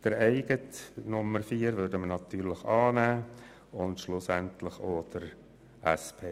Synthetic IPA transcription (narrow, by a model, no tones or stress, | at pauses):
d̥əɾɛɪɡ̥ətnʊmːəɾfiːəɾvøːdəmənɑt̪yːɾlɪχɑːnæː | ʊntʃlʊsæntlɪχoːd̥əɾ | ʔæspʰeː